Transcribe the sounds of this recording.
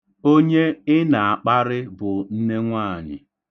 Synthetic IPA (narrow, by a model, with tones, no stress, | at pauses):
o˦ɲe˦ɪ˦na˨a˨k͡pa˦ɾɪ˦bʊ˨n̩˦ne˦ŋʷaː˦˨ɲɪ̰˨